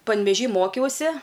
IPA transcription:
pɐnʲʋʲɛˈʒʲiː ˈmoːkʲɛʊsʲɪ

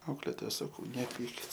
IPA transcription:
ˈɐʊklʲeːtoːjɛ sɐˈkɐʊ nʲɛˈpʲiːkʲɪt

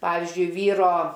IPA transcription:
ˈpɑːʋʲɪzʲd͡ʒʲʊɪ ˈʋʲiːroː

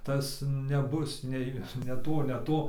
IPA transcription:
ˈtɐs nʲɛˈbʊs ˈnʲɛɪ nʲɛ ˈtoː nʲɛ ˈtoː

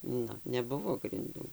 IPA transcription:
ˈnʊ nʲɛˈbʊʋoː ɡrʲɪnˈduː

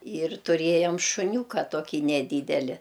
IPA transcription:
ɪr tʊˈrʲeːjɛm ʃʊˈnʲuːkɐ ˈtoːkʲiː nʲɛˈdʲiːdʲɛlʲɪ

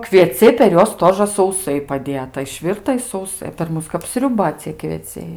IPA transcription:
kʋʲiɛˈt͡sʲɛɪ pʲɛr ˈjuɔs ˈtoːʒɘ sɐʊˈsɐɪ pɐˈdʲeːtɐ ɪʃʲˈʋʲɪrtɐ ɪ sɐʊˈsɐɪ pʲɛr ˈmʊs kɐp sʲrʲʊˈbɐ t͡sʲiɛ kʋʲiɛˈt͡sʲɛɪ

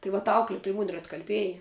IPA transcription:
ˈtɐɪ ʋɐt ˈɐʊklʲɛtʊj mʊnʲ ɪr ɐtkɐlʲˈbʲiɛjɛ

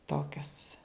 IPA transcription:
ˈtoːkʲoːs

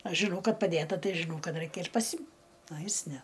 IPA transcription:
ˈɐʃ ʒʲɪˈnɐʊ ˈkɐt pɐˈdʲeːtɐ ˈtɐɪ ʒʲɪˈnɐʊ ˈkɐt ˈrɐɪkʲɛ ɪr pɐˈsʲɪm ɐ ˈjɪs ˈnʲɛ

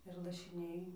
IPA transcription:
ɪr lˠɐʃʲɪˈnʲɛɪ

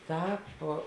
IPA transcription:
ˈtɑːp

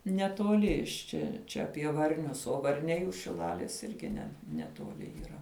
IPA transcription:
nʲɛtoːˈlʲɪ ɪʃ ˈt͡ʃʲɛ ˈt͡ʃʲɛ ɐpʲiɛ ʋɐrʲˈnʲʊs oː ʋɐrʲˈnʲɛɪ ʊʃ ʃʲɪˈlˠɑːlʲeːs ˈɪrʲɡʲɪ nʲɛ nʲɛtuɔˈlʲɪ iːˈrɐ

